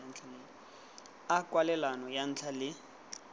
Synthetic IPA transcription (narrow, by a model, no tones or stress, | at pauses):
n̩t͡ɬʰanen | akwalɛlanɔjan̩ːt͡ɬʰalɪ